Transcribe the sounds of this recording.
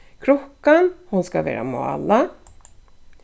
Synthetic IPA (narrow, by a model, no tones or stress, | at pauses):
kʰɾɔkːanhʊnskavḛːɾa̰mo̰ːa̰lːa